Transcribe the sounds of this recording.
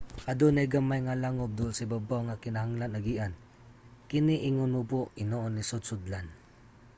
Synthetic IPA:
ad̪unaɡəmajŋalaŋʊp̚d̪usibabaŋakinaɦaŋlanaɡiʔan | kiniʔiŋʊnubuʔinoʔɔnːisʊd̪̚sʊd̪lan

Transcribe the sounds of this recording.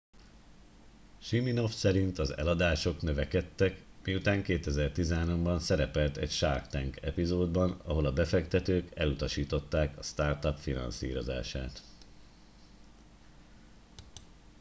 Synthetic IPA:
ʃimino̞fsɛɾint̪ɒzɛ̰lɒd̪aːʃo̞knøvɛkɛt̪ːɛk | miut̪aːŋkeːt̪ɛzɛrt̪izɛɦanombɒnsɛɾɛpɛlt̪ɛ̰cʃarkt̪ɛŋkɛpizoːd̪bɒnɒɦo̞lɒbɛfɛkt̪ɛt̪øːkɛlut̪ɒʃiːt̪o̞t̪ːaːkɒst̪aːrt̪ɒpfinɒ̰nsḭːɾo̞̰za̰ːʃa̰ːt̪

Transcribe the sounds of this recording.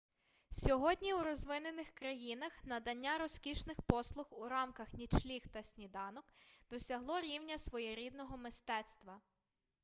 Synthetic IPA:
sʲɔɦɔdʲnʲiwɾɔzʋɪnenɪxkɾɐjinɐxnɐd̪ɐnʲːaɾɔskʲiʃnɪxpɔslˠʊxuɾɑmkɐxnʲit͡ʃlʲixt̪ɐsʲnʲid̪ɑnɔkd̪̥ɔsʲɐɦlˠɔɾʲiwnʲɐsʋɔjɛɾʲid̪nɔɦɔmɪst̪ɛt̪st̪ʋɐ

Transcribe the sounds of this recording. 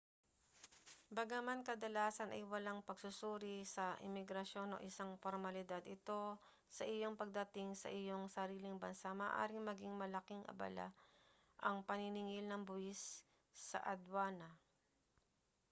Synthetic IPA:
bɐɡamankɐd̪ɐlaːsɐnʔɐ̰jwɐlaŋpɐɡsʊsuːɾɪsɐʔɪ̰mɪɡɾɐʃo̞no̞̰ʔɪsaŋfoɾmɐlɪd̪ad̪ɪt̪o̞ | sɐʔɪjo̞ŋpɐɡ̚d̪ɐt̪ɪŋsɐ̰ʔɪjo̞ŋsɐɾiːlɪŋbɐnsamaːʔa̰ːɾɪŋmɐɡɪŋmɐlɐkɪŋʔɐ̰bɐ̰la̰ | ʔɐŋpɐniniŋɪlnɐŋbʊʔɪsː | ɐ̰ʔɐd̪waːnɐ

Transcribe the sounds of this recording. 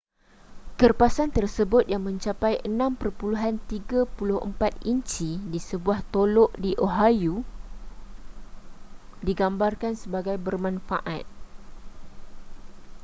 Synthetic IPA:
kərpasant̪ərsəbʊt̪̚jaŋmə̃ɲt͡ʃapajʔənãmpərpuluɦant̪iɡapulʊhʔə̰mpat̪̚iɲt͡ʃidisəbuaht̪olɔʔdiʔoɦaju | diɡambarkansəbaɡajbərmãnfa̰ʔat̪̚

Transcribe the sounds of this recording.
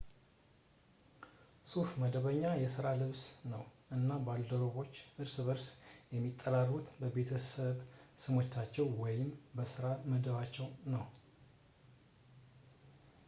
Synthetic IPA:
sufməd̪əβəɲːajɛsɨɾalɨβsnəwʔɨnːabald̪əɾoβo̞t͡ʃːʔɨɾsɨβəɾsjɛmːit̪ʼːəlarːut̪bəbe̞t̪ʰəsəβsɨmo̞t͡ʃːat͡ʃːɛwwɔjɪmbəsɨɾaməd̪əβat͡ʃːɛwnəw

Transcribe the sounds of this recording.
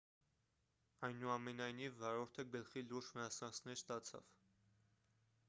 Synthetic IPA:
ɑjnuɑmɛnɑjnivːɑɾɔɾt̪ʰəɡəlχiluɾʒmənɑsɑnt͡sʰnɛɾst̪ɑt͡sʰɑ̰v̥

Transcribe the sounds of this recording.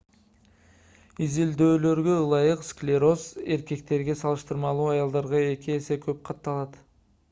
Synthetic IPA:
izild̪ø̞ːlø̞ɾɡø̞ɯlˠɑjɯqsklʲeɾo̞se̞ɾke̞k̚t̪e̞ɾɡe̞sɑlˠɯʃt̪ɯɾmɑlˠuːɑjɑlˠd̪ɑɾʁɑe̞kʲiese̞kʰøp̚qʰɑt̪ːɑlˠɑt̪

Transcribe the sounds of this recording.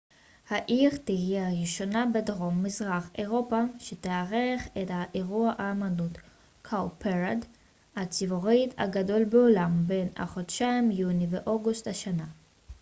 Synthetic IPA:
haʔiʁtihijeaʁiʃo̞nabedʁo̞mːizʁaχeʁo̞paʃeteaʁeχethaʔeʁuaʔaːmanut | kʰawpʰeʁad | hat͡sivoʁita̰ɡado̞lbeolambe̞na̰χodʃajmjuniveʔoɡusthaʃana

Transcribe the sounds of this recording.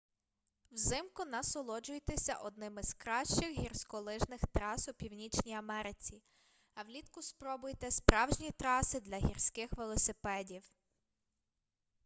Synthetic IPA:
wzɪmkʊnɐsɔlˠɔd͡ʒʊjt̪esʲɐ̰ʔɔd̪nɪmɪz̥kɾɑʃt͡ʃɪxɦirsʲkɔlˠɪʒnɪxt̪ɾɑsʊpʲiwnʲit͡ʃnʲiɐmɛɾɪt͡sʲi | ɐwlʲit̪kʊspɾɔbʊjt̪ɛspɾɑwʒnʲit̪ɾɑsɪd̪lʲɐɦʲirsʲkɪxʋelˠɔsɪpɛdʲiw

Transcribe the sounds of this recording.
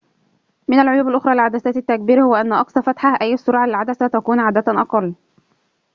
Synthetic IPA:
mɪnalʕʊjuːbɪlʔʊxɾˤɑːlɪlʕad̪asaːt̪ɪt̪ːak̚biːɾhʊwaʔanːaʔɑksɑfat̪ħahʔajːɪsːʊɾˤʕalɪlʕad̪asat̪akuːnʕaːd̪ːat̪ʔɑqɑlː

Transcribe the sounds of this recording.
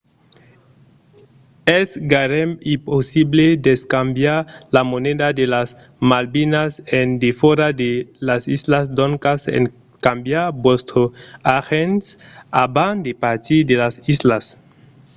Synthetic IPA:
esɡaɾemimposiβled̪eskambjaɾlamoneðad̪elas | malbinasend̪efeɾad̪elasizlasd̪oŋkasḛŋ | kambjaɾbwost̪ɾoaxensaband̪epaɾt̪id̪elasislas

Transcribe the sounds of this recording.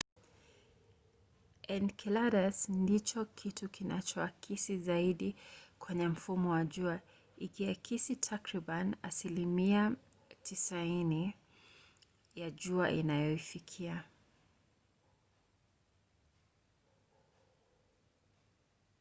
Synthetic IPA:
ɛnkʰilaɾasndit͡ʃɔkʰitukinat͡ʃɔakʰisizaiɗikwɛɲɛm̩fumɔwaʄua | ikiakʰisitʰakɾiɓana̰silimia | tisaini | jaʄuaʔḭnajɔifikʰia

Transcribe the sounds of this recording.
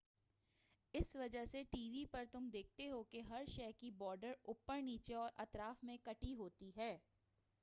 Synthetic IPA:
ɪsʋɐd͡ʒəɦseʈiːʋipɐɾt̪ʊmd̪eːk̚ʰt̪eɦokeɦɐɾʃɛːkibɔːɾɖəɾʊpːəɾniːt͡ʃeɔːɾʔɐt̪ɾaːfmẽkɐʈiɦoːt̪iɦɛː

